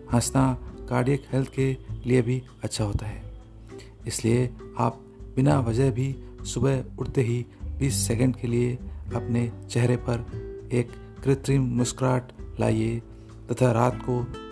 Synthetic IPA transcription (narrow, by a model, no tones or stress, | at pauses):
hə̃snakaːɾɖijəkhɛlt̪ʰkeliebʱi | ɐtːʃʰaɦoːt̪aɦɛː | ɪslieaːp̚ | bɪnaʋɐd͡ʒəɦbʱisʊbəʊɽt̪eɦibiːsːɛkə̃ɳɖkelieɐpnet͡ʃɛɦɾepɐɾeːkː | ɾɪt̪ɾimmʊskɾaːʈla̰ːie | t̪ɐt̪ʰaɾaːt̪ko